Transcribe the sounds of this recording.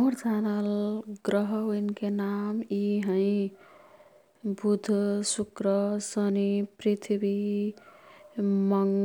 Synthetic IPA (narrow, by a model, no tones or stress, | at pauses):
uɾt̪analɡɾʌɦʌwinkenamiɦʌ̃ĩ | bud̪ʱsukɾʌsʌniprit̪ʰibi | mʌŋ